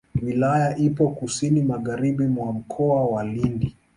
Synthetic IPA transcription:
wilajaʔipɔkusinimaɣaɾiɓimwam̩kʰɔawalindi

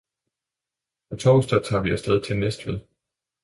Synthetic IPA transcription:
ɒ̽t͡sʰɒʊsd̥ɐt͡sʰɑ̰̈ːʋiæsd̥eð̞ˠit͡sʰelnesd̥ʋeð̰ˠ

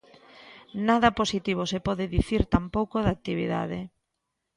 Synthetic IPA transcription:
naðɐposit̪iβ̞osepɔðɪðiθiɾt̪ampowkoðat̪iβḭða̰ðɪ

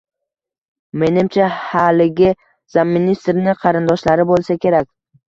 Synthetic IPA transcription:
me̞nɪmt͡ʃʰahalɪɡʲɪ | z̥amːinist̪ɾnɪqʰɑɾɪnd̪ɒʃlaɾɪbolˠsakʲʰe̞ɾak̚ʲ

